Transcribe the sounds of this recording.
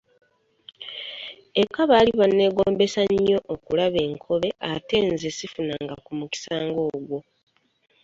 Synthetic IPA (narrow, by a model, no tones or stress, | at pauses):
ekːaβaːliβanːe̞ːɡo̞ːmbe̞saɲo̞ʔokulaβe̞ːŋkʰo̞βe̞ʔate̞nzesifunaŋɡakumuki̥saːŋɡo̞ːɡwo̞